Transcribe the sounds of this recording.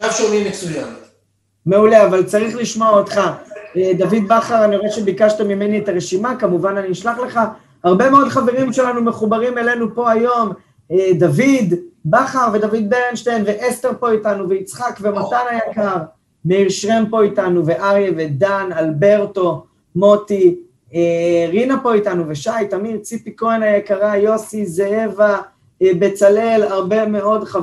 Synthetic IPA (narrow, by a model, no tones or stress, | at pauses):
aʃonimesujam | me̞uleavalt͡saʁiχliʃmo̞aot̪χaed̪avid̪baχaʁanioeʃe̞bikaʃt̪amime̞nietaʁeʃimakamuvananiːʃlaχle̞χa | haʁbe̞meo̞d̪χave̞ʁimʃe̞lanume̞χubaʁime̞le̞nupo̞ajo̞m | ed̪avid̪baχaʁve̞david̪̚beʁenʃtejnveʔeste̞ʁpo̞itanuveit͡sχakvematanajakaʁ | meiʁʃʁempo̞itanuveʔaʁjevedanalbe̞ʁto̞ | mo̞ti | eʁinapo̞itanuveʃajtamidt͡sipikoenajekaʁajo̞sizeeva | be̞t͡sale̞laʁbe̞me̞o̞dχa